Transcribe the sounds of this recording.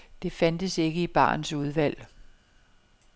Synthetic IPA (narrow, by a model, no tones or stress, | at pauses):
d̥e̝fænd̥əse̝ɡ̥əib̥ɑ̰̈ːn̩suð̞ˠʋæl̰